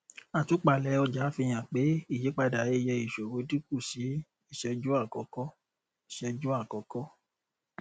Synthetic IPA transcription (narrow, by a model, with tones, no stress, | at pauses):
a˨tu˨˦k͡pa˨lɛ˨˦ɔ˧d͡ʒa˨˦fi˧j̃ã˨k͡pe˨˦i˦˨je˨˦k͡pa˧da˨je˧jɛ˧i˨ʃo˨ɾo˨˧˦di˦ku˦˨si˨˦ | i˦˨ʃɛ˧d͡ʒu˦a˦˨kɔ˨˧˦kɔ˦ | i˨ʃɛ˧d͡ʒu˦a˦˨kɔ˨˧kɔ˦